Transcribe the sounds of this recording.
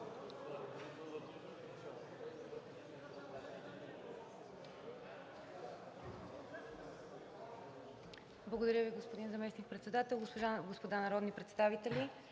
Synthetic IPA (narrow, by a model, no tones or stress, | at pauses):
blˠɐɡod̪ɐɾjəviɡospod̪inzɐmɛsnik̚pɾɛt̪sɛd̪at̪ɛlˠɡospoʒaɡospod̪anɐɾɔd̪nipɾɛt̪st̪avit̪ɛlʲi